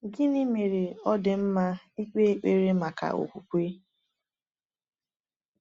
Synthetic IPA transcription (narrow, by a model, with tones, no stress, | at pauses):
ɡɪ˦nɪ˦me˨ɾe˨ɔ˦dɪ˨m̩˦ma˦ | i˦k͡pe˦k͡pe˦ɾe˦ma˨ka̰˨o̰˨kʷu˨kʷe˦